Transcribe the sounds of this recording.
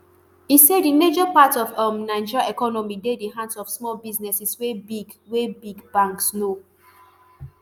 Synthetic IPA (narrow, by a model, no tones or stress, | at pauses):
isedined͡ʒɔpatɔvamnãɪd͡ʒiaɛkɔnɔmidediɦãnsɔfsmɔlbiznɛsiswebiɡwebiɡb̥ãŋksno